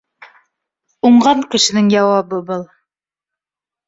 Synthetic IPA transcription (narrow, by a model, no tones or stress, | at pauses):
uɴɢɑŋkɘ̆ʃɘ̆nɘŋjɑwɑbɤbɤlˠ